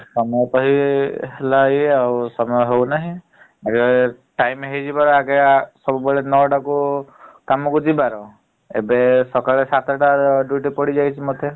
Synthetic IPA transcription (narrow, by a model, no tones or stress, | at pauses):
sɔmɔjɔp̪ɔɦiɦhelaiawsɔmɔjɔɦewnaɦĩ | aɡe | ʈajmɦejd͡ʒibaɾɔakesɔbubɔɭenɔɖakukamɔkud͡ʒibaɾɔ | ḛbesɔkaɭesat̪ʰɔʈaɖuʈipɔɽid͡ʒajt͡ʃʰimot̪ʰe